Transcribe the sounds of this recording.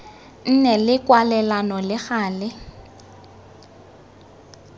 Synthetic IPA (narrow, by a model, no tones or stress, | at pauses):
n̩nɛlɪkʼwalɛlanɔlɪɣaːlɪ